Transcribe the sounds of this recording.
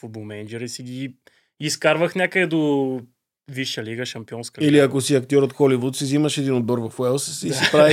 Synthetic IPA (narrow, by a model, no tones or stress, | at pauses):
fud̪bolˠmɛnd͡ʒɛɾisiɡʲi | iskaɾvəxnʲakəd̪ɛd̪o | viʃəliɡəʃɐmpiɔnskəiliɐkosiɐk̚t̪ʲjɔɾot̪xɔlivut̪siziməʃɛd̪inod̪̚bɔɾvɐfwɛlˠsisipɾavi